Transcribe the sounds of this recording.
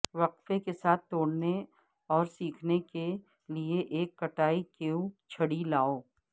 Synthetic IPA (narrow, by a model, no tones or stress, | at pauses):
ʋɐqfekesaːt̪̚ʰt̪oːɽne | ɔːɾsiːkʰneke | lieʔeːkːɐʈaːikeːũt͡ʃʰɐɽilaːoː